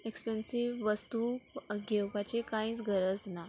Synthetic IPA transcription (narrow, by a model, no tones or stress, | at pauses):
ekspensiʋːəst̪uɡʱewpat͡ɕekãĩːt͡sɡʱəɾəd͡zna